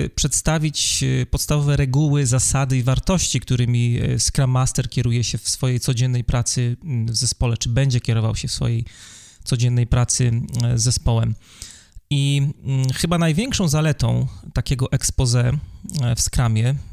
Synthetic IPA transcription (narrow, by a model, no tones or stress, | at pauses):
pʂɛt̪st̪avʲit͡ɕpɔt̪st̪avɔvɛɾɛɡuwɘzasad̪ɘivaɾt̪ɔɕt͡ɕikt̪uɾɘmʲiskɾamːast̪ɛɾkʲɛɾujɛɕɛfsfɔjejt̪sɔd͡ʑɛnːɛjpɾat̪sɘvzɛspɔlɛt͡ʂɘbɛɲd͡ʑɛkʲɛɾɔva̰wɕɛfsfɔ̰jej | t̪sɔd͡ʑɛnːɛjpɾat̪sɘzːɛspɔwɛm | i | xɘbanajvʲjɛŋkʂɔ̃w̃zalɛt̪ɔ̃w̃t̪akʲɛɡɔʔɛkspɔzɛ | fskɾamʲjɛ